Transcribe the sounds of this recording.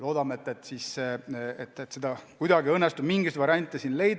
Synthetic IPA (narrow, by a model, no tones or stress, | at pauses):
lo̞ːd̪ɑmet̪ːˑet̪ːˑsis | et̪ːˑet̪ːsed̪ɑkujd̪ɑɡiɤnːest̪ub̥miŋɡist̪vɑɾʲiɑnʲt̪ʲːˑesinle̞jd̪